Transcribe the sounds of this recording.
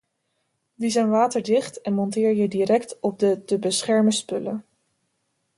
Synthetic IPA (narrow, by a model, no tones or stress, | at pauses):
ʋizɛjnʋaːtəɹdɪχtɛnmɔntɪːɹjədirɛktɔb̚dətəbəsχɛɹməspɵlə